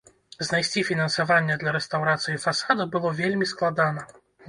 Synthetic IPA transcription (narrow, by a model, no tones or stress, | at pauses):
znajsʲt͡sʲifʲinɐnsavanʲːɐd̪lʲɐɾɛst̪awɾat̪sɨjifasad̪ɐbɨlˠɔvʲelʲmʲisklˠad̪anɐ